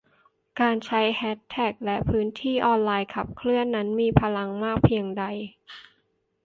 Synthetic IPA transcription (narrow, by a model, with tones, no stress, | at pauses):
kaː˧nt͡ɕʰa˦˥jhɛ˦˥t̪ʰːɛː˨˩k̚lɛ˦˥ʔpʰɯː˦˥nt̪ʰiː˥˩ʔɔː˧nlaː˧jkʰa˨˩p̚kʰlɯ˥˩ənːa˦˥nmiː˧pʰa˧la˧ŋmaː˥˩k̚pʰi˧əŋda˧j